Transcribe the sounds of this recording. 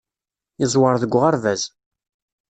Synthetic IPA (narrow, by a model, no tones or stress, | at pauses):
ɪzˤwəɾˤðəɡʷːʁaɾvæz